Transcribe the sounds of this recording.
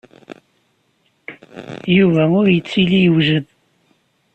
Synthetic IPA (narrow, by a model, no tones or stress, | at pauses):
juvæʊɾjət͡sːilijəwʒəð